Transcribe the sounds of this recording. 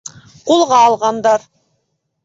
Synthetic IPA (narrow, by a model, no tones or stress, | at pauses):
qulˠʁɑːlˠʁɑnd̪ɑɾ